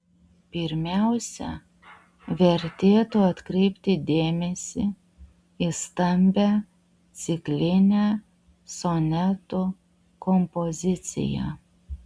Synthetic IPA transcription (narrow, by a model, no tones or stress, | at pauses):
pʲɪɾʲmʲæˑʊsʲɛ̰ | ʋʲɛɾʲt̪ʲeːt̪uɐt̪kɾʲɛɪpʲt̪ʲɪd̪ʲeːmʲɛsʲɪ | ist̪ɐmʲbʲæ | t̪sʲɪklʲɪnʲæ | sɔnʲɛt̪u | kɔmpɔzʲɪt̪sʲɪ̰jæ̰